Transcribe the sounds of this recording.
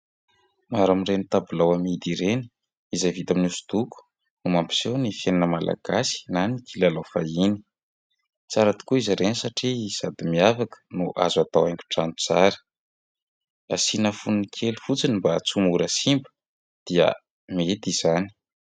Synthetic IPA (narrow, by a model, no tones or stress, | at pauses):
maɾamirenit̪abulawamid̪iɾeni̥ | izejvit̪aminusu̥d̪uku̥ | umampi̥sewnifeninəmalʔa̰ɡ̥asi̥nanikʰilalawfaini̥ | t͡saɾat̪i̥kuizaɾenisaʈ͡ʂiz̥ad̪imiafakə̥nuʔa̰zuat̪awajŋkʲu̥ʈ͡ʂant̪u̥t͡saɾə̥ | a̰sinəfunnkʰelufut͡sinimbat͡sumuɾəsimbə̥ | d̪̥iə̰ | met̪iz̥ani̥